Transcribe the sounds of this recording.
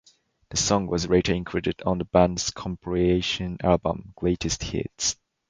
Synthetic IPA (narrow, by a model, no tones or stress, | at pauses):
ðəsɔ̃ŋwʌzɹeɪɾəɪ̃ŋkʰɹ̥ɪɾɨɾn̩ðəbæ̃ndz̥kʰɔ̃mpʰɹieɪʃɨ̃nælˠbə̰̃mɡ̥leɪɾʰɨst̚hɪ̰ts